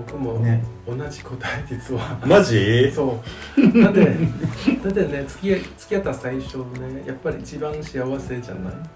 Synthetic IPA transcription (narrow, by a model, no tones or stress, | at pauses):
bokɯ̟mo̞onaʑiko̞t̪aid̪ʲit͡sɨβanaʑiso̞ːnad̪ed̪ad̪ene̞t͡sɨ̥kʲiat͡sɨ̥kʲijat̪ːasaiɕo̞nejapːaɾʲiːt͡ɕibãɰ̃ɕiaβase̞ʑa̰na̰i